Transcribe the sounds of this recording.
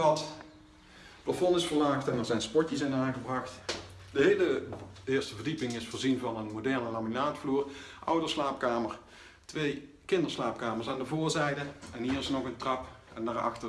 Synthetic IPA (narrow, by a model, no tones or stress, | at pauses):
ɑt | plafɔnɪsfəɹlaːxtɛnɛɹzɛjnspɔɹtjəsɪnaːŋɣəbrɑxt | dəɦejləɪːɹstəvəɹdipɪŋɪsfʊːɹzinvɑnənmodɛɹnəlaːminaːtfluːrʔʌ̰wdəslaːpkaːməɹ | tʋej | kɪndəɹslaːp̚kaːməɹsaːndəvʊːɹzɛjdəɛnɦiːɹɪsnɔɣəntrɑpɛnaːɹɑ̰xtə